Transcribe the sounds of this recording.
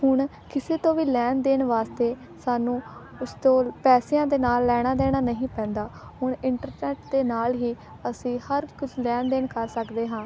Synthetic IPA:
hʊɳ | kɪseːt̪õːʋiːlɛːnd̪eːnʋaːst̪eː | saːnũː | ʊst̪õːpɛːsɪjãːd̪eːnaːlːɛːɽ̃aːd̪eːɽ̃aːnəɦĩːpɛ̃ːnd̪aːɦʊɳɪɳʈəɾnɛːʈd̪eːnaːlɦiː | əsĩːhəɾkʊd͡ʒʰlɛːnd̪eːnkəɾsəkd̪eːɦãː

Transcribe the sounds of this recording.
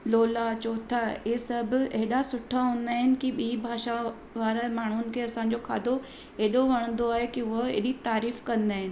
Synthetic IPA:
loːlat͡ɕoːt̪ʰaesɐbʱʊ̆eɦɪɗasʊʈʰaɦũːn̆d̪aːɦɪnɪ̆kiɓiːbʱaːʃa | ʋaːɾamaːɳ̤ʊnɪ̆kʰeːɐsãːɲ̆d͡ʑokʰaːd̪o | eːɗoʋɐɽ̃ə̃n̆d̪oaːɦekiʊɦoḛɦɗit̪aːɾiːfkɐ̃nd̪aːɦɪnɪ̆

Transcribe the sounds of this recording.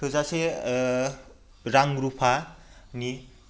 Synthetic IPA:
ozasʰe | ɾaŋɾupʰani

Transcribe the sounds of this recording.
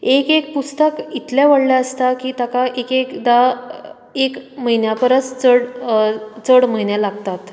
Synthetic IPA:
ekek̚pust̪əkit̪ljaʋəɽljaəst̪akiːt̪akaʔekekd̪a | ekməɦinjapəɾət͡st͡səɽ | t͡səɽməɦinjalaɡt̪at̪

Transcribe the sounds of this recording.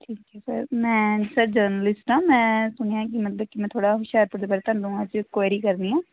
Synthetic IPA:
ʈʰiːkɛsə̰ɾmɛ̃ːsəɾd͡ʒəːɾnəlɪsʈãːmɛ̃ːsʊneãkimət̪ləb̚kimɛ̃ːt̪ʰoːɽaɦʊʃaːɾpʊɾd̪eːbɛːɾet̪ʰə̃nd̪uũad͡ʒkɛːɾiːkəɾniɛː

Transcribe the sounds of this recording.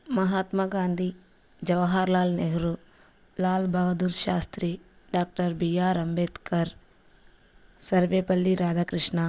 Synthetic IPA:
mɐɦaːt̪mɐɡaːnd̪ʱi | d͡ʒɐʋɦaːɾlaːlneɦɾu | laːlbʱɐɡɐd̪uɾʃaːst̪ɾi | ɖaːk̚ʈɐɾbijaːɾɐmbeːt̪kɐɾ | sɐɾʋeːpɐlːiɾaːd̪ʱakɾɪʂna

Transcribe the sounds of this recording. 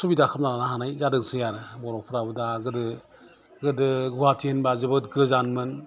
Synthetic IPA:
subidakʰɯp̚nalanaɦanajzadɯŋsɯjaɾɯbɔɾɔk̚pʰɾabɯdaɡɯdɯ | ɡɯdɯɡuwatʰienbazɯbɯtɡɯzanmɯn

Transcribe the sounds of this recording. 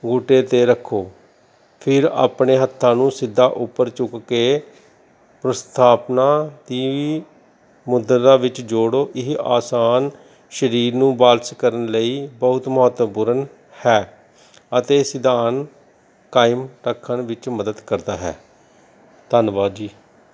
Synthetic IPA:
ɡoːʈeːt̪eːɾəkʰːoː | pʰɪɾa̰ːpɳeːɦət̪ʰːãːnũːsɪd̪ʱːaːʔʊpːəɾt͡ʃʊkːeː | pɾəst̪ʰaːpnaːt̪iːʋiː | mʊd̪əɾaːʋɪt͡ʃd͡ʒoːɽoːʔɪɦaːsaːn | ʃəɾiːɾnũːbaːlskəɾənləiːbəʊt̪mɔət̪puːɾən | hɛː | ət̪eːsɪd̪aːn | kaːɪmɾəkʰːənʋɪt͡ʃməd̪əd̪kəɾd̪aːɦɛ̰ː | t̪əːnʋaːd̪d͡ʒiː

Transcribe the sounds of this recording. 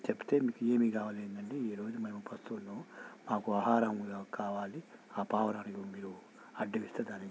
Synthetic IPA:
t͡ʃepu̥t̪e̞ːmiːkue̞ːmiːkaːʋaːleːnd̪ɐɳʈeːiːɾo̞ːd͡ʒumɐnmupɐst̪unːuːmaːkuaːɦaːɾɐŋɡakaːʋaːliaːpaːʋɐnaːɾɐɡumiːɾu | ɐɖːɐʋist̪ɐd̪aːni

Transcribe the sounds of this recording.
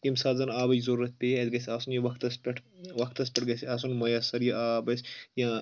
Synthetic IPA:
kimsaːzɐnaːbɐjzɐɾuːɐt̪̚ʲpeɐd̪ɡɐsʲaːsunjɐʋɐkʰt̪ɐspʲɐʈʰʋɐkʰt̪ɐsʲpʲɛʈɡɐsaːs̬unmɐjasɐɾjɐʔaːbɐsʲjãː

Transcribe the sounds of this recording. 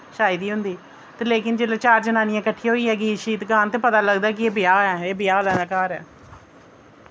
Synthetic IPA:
ʃaːɪd̪iːɦʊ̃nd̪iː | t̪eːleːkɪnd͡ʒeːleːt͡ʃaːɾd͡ʒənaːnɪjãːkəʈʰːiːɦoːiːɦɛːɡiːʃiːt̪ɡaːnt̪eːpət̪aːləɡd̪aːkɪeːbɪjaːɛːeːbɪjaːlɛːnãːkaːɾɛː

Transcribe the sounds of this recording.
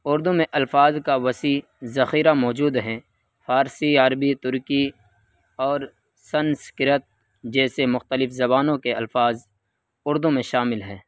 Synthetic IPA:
ʊɾd̪umẽʔɐlfaːzkaʋɐsiː | zɐxiːɾamɔːd͡ʒuːd̪ɦɛː | faːɾsiəɾbit̪ʊɾki | ɔːɾ | sɐnskɪɾət̪̚ | d͡ʒɛːsemʊxt̪əlɪfzɐbaːnõkeɐlfaːz | ʊɾd̪umẽʃaːmɪlɦɛː

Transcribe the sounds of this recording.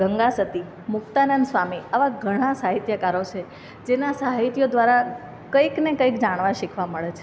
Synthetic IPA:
ɡəŋɡasət̪i | mʊkt̪anənsʋamiaʋaɡʱəɽ̃ãsaɦit̪jəkaɾot͡ʃʰe | d͡ʒenasaɦit̪jod̪ʋaɾa | kəiknekəikd͡ʒaɽ̃ʋãʃikʰʋaməɭet͡ʃʰe

